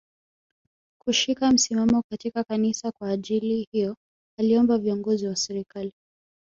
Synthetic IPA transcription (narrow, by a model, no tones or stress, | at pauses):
kuʃikam̩simamɔkatikakanisakwaːʄilihijɔ | aliɔmbaviɔŋɡɔziwasɛɾikali